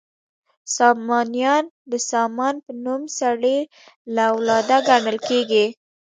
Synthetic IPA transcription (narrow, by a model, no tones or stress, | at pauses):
sɑmɑnijɑn | d̪əsɑmɑnpənumsaɽe | lawlɑd̪aɡaɳəlkeɡi